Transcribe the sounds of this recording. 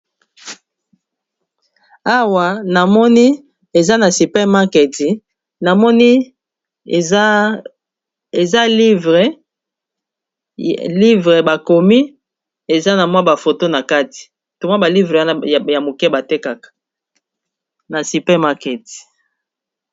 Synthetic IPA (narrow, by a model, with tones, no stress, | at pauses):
a˦wa˨na˨mɔ˦ni˦ | e˨za˦na˨si˨pɛ˦ma˦kɛ˨ti˨ | na˨mɔ˦ni˦˨˦ | e˨za˦li˦vʁe˨ | li˦vʁe˨ba˨ko˨mi˦ | e˨za˦na˨mwa˦ba˨fo˨to˦na˨ka˦ti̥˨ | to˨m˦a˦ba˨li˦vʁe˨wa˦na˦˨ja˨mo˨kɛ˦ba˨te˦ka˨kḁ˨ | na˨si˨pɛ˦ma˦kɛ˨ti̥˨